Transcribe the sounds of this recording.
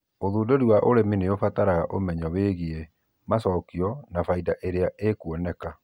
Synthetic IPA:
oðuːdoɾiwaʔoɾemineofataɾaɣaʔomɛɲɔweɣie | masɔkiɔnafaidaʔeɾeaʔekuɔnɛka

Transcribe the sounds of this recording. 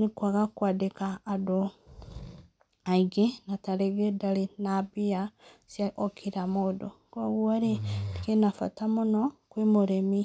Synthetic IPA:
nekwaɣakwadekaːdo | aiɡenataɾeɣedalenabiasjaʔokʰiɾamodo | ɡoɣwaɾedikenafa̰tamonɔkwemoɾemi

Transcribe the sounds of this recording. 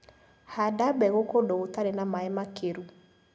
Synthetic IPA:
hadabɛɣokodɔɣotaɾenamaɛmakeɾu

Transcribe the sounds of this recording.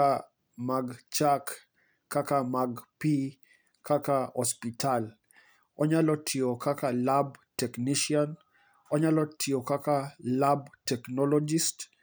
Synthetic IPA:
a | maɡt͡ʃakː | akamaɡpi | kakaɔspital | ɔɲalɔtʰiokakalabtɛkniʃian | ɔɲalɔtʰiokakalabtɛknɔlɔd͡ʒist

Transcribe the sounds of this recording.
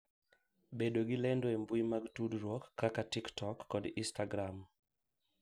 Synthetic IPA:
beɗoɡilɛndoembuimaɡtudɾwɔkːakatiktʰɔkːɔdistaɡɾam

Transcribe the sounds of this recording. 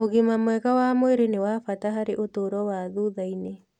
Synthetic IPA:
oɣemamwɛɣawamoeɾenewafataɦaɾeʔotoːɾɔwaðuðaine

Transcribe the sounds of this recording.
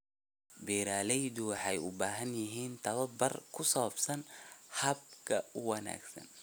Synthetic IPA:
biːɾaːlɛjd̪ʊwɑħɑjʊ̰baːɦɐnjɪɦiːnt̪ʰɐβɐbɐrkʰʊsɔːbsɐnhɐb̚kʰɐʊwɐna̰ːɡsɐ̰n

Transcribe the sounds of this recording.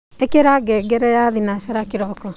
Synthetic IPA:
ekeɾaɡɛɡɛɾɛɾaðinaʃaɾakiɾɔkɔ

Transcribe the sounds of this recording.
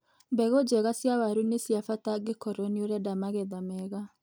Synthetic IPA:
mbɛɣod͡ʒɛɣasjawaɾunesiafataɡekɔɾɔnioɾɛdamaɣeðamɛɣa

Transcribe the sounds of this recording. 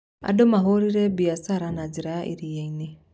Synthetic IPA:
a̰domaɦoɾiɾɛbiasaɾanad͡ʒiɾajaʔḭɾijeine

